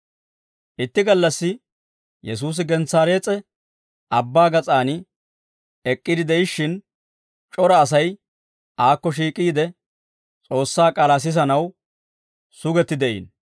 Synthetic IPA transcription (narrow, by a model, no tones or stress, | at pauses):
ʔɪt̪ːɪɡɐlːɐsːɪ | jɛs̬uːs̬ɪɡɛnt͡saːɾe̞ːt͡sʼɛ | ɐbːaːɡɐt͡sʼaːnɪ | ɛkʼːɪd̪ɪd̪ɛjɪʃːɪn | t͡ʃʼɔɾɐːs̬ɐj | ʔaːkːɔʃ̬iːkʼiːd̪ɛ | t͡sʼo̞ːsːaːkʼɐlas̬ɪzɐnɐw | sʊɡɛt̪ːɪd̪ɛʔḭːn